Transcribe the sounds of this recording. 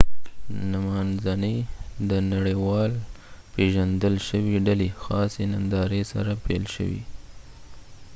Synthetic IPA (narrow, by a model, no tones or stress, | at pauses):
namɑnzanəd̪ənaɽəwɑlpeʒand̪əlʃəwiɖalixɑsenand̪ɑɾesa̰ɾapḛlʃə̰wḭ